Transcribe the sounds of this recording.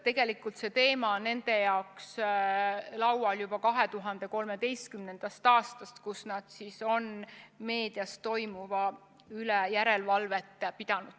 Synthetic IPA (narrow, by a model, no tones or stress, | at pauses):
t̪e̞ɡ̥e̞likːˑult̪se̞t̪e̞ːmɑnːe̞nd̪̥e̞jɑoks | lɑwwɑljub̥ɑkɑɦe̞t̪uɦɑnd̪̥e̞ko̞lme̞d̪e̞jst̪kymne̞nd̪̥ɑst̪ɑːst̪ɑst̪kusnɑd̪̥siso̞nme̞ːd̪̥iɑst̪o̞jmuvɑ | ylejæɾe̞lvɑlve̞t̪ːˑpid̪̥ɑnud̪̥